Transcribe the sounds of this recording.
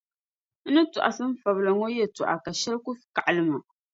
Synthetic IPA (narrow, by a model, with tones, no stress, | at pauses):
nɨ˦tu˨ʔa̰˨sɨ˦m˦fa˨bla˨ŋo˦jɛ˦˨tʊ˨ʔa̰˨ka˨ʃɛ˦lkʊ˦fka˨ʔa˨lɨ˦ma˨